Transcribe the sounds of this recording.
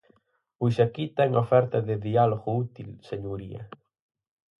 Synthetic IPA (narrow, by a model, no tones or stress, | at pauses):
uʃakit̪ɛŋofɛɾt̪ɐðɪðialoɣʊut̪ilseɲuɾiɐ̰